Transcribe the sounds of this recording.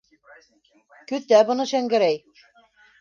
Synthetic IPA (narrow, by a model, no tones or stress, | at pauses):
kɵ̆t̪æbɤ̆nɤʃæŋɡɘ̆ɾæj